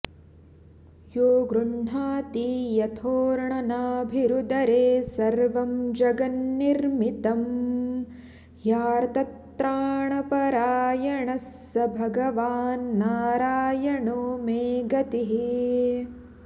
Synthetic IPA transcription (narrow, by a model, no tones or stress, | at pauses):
joːɡɾuɳɳaːt̪ijɐt̪ʰoːɾɳɐnaːbʱiɾud̪ɐɾeːsɐɾʋɐmd͡ʒɐɡɐnːiɾmit̪ɐm | jaːɾt̪ɐt̪ɾaːɳɐpɐɾaːjɐɳɐsːɐbʱɐɡɐʋaːnːaːɾaːjɐɳumeːɡɐt̪iɦi